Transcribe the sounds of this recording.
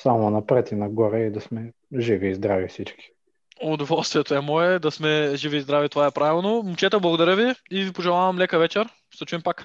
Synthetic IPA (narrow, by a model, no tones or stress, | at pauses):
samonɐpɾɛt̪inɐɡɔɾɛid̪ɐsmɛ | ʒiviːzd̪ɾavifsit͡ʃki̥ | ʊd̪ovɔlˠst̪vʲiɛt̪oɛmɔɛd̪ɐsmɛʒiviːzd̪ɾavit̪ovaɛpɾavilˠnomʊt͡ʃɛt̪ɛblˠɐɡʊd̪ɐɾʲəviivipoʒɛlˠavɐmlɛkəvɛt͡ʃɛɾ | ʃt̪ɛt͡ʃuimpak